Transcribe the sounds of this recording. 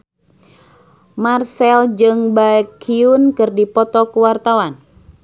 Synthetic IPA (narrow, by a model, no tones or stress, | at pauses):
marsɛld͡ʒɨŋbaɛkʰiunkɨrdipɔt̪ɔkuwart̪awan